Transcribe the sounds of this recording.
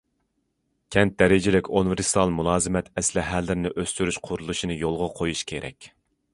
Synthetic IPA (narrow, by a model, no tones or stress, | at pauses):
kʲʰɛnt̪̚d̪ɛɾɪd͡ʒɪlɪkʲunɨvɪɾsi̥t̪ʰɑlˠmunˠɑːzɨmɛt̪ɛslɪɦælːɪɾɪnɪʔøst̪yɾyʃqʰʊɾulˠuʃinɨjolˠʁɑqʰojuʃkʲʰeɾʔɛ̰kʲ